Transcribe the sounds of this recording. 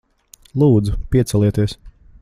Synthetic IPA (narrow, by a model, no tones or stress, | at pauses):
lˠuːd̪zupiɛsɛlˠiɛt̪iɛs